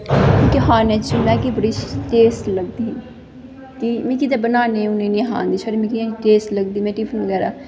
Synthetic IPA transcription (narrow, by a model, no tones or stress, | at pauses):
keɦaːneːt͡ʃəmɛ̃ːkibəɽiːʈeːsləɡ̚d̪iːɦː | kimɛ̃ːkid̪aːbənaːnẽːʊnẽːnĩːɦã̰ːnd̪iːt͡ʃʰoːɾeːmɛ̃ːkĩʈeːsləɡd̪iːmɛ̃ːʈiːpʰənʋəɡɛːɾaː